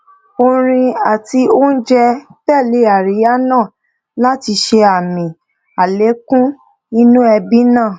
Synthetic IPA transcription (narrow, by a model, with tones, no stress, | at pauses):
o˧ɾ̃ĩ˧a˨ti˧˦o˦n̩˦d͡ʒɛ˦b̥ɛ˦˨le˨˦a˨ɾi˨˦a˦nãː˦˨ | la˦ti˧ʃe˧a˨mĩ˨ | a˨le˨˦kũ˦ | nĩ˦nũ˦ɛ˧bi˦nãː˦˨